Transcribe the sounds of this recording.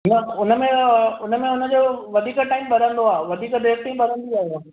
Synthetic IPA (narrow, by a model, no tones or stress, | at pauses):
nəʊnə̆mẽʊnə̆mẽʊnə̆d͡ʑoːʋɐd̪ʱiːkəʈaːɪmbɐɾə̃nd̪oaːʋɐd̪ʱiːkɖ̪eːkʈ̪ĩbɐɾə̃nd̪iaːɦjo